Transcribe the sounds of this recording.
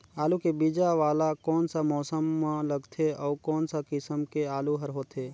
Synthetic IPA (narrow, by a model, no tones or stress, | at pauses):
aːlukebid͡ʒaʋaːlakɔːnsamɔːsəmːãləɡt̪ʰeɔːkɔːnsakɪsəmkeaːluɦəɾɦoːt̪ʰeː